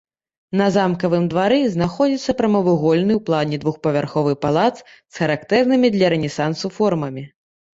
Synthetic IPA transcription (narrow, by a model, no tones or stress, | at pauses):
nɐzamkɐvɨmd̪vaɾɛznaxɔd͡zʲit̪sːɐpɾɐmɐvɨɣɔlʲnɨwplˠanʲɛd̪vuxpɐvʲarxɔvɨpalˠat̪s | sxɐɾakt̪ɛrnɨmʲid̪lʲɐɾɛnʲɛsansufɔrmɐmʲi